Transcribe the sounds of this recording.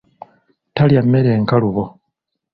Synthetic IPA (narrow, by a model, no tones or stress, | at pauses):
taljamːeɾeːŋkaluβo